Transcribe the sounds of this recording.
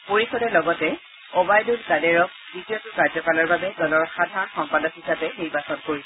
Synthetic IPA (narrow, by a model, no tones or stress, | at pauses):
poɹisɔdɛlɔɡɔtɛ | ɔbajdutɡadɛɹɔk̚ | ditiɔtʊkaɹzɔkalɔɹbabɛdɔlɔɹxadʱaɹɔnxɔmpadɔkhisapɛniɹbasɔnkoɹis